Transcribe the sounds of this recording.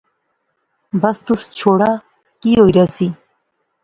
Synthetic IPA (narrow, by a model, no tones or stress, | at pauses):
bɐst̪ust͡ɕʰoːɽa | kioːiɾasi